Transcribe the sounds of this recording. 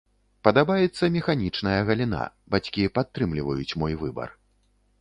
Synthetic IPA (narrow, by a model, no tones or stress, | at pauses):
pɐd̪abajɛt̪sːɐmʲɛxanʲit͡ʂnɐjɐɣɐlʲin̪a̰ | bat͡sʲkʲipat̪ːɾɨmlʲivɐjut͡sʲmɔjvɨbɐ̰r